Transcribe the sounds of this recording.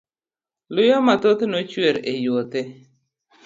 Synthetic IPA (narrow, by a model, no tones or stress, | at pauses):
lʊjɔmat̪ot̪not͡ʃweɾejot̪e